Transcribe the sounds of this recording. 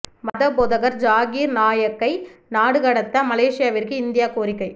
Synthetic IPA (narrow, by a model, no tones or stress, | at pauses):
mɐðɐpɔðɐɣɐɾd͡ʒaːɣiːɾnaːjɐkːɐɪnaːɽɯɣɐɽɐt̪ːɐmɐleːʂɪjaːʋɪɾkɯɪnd̪ɪjaːkoːɾɪkːɐɪ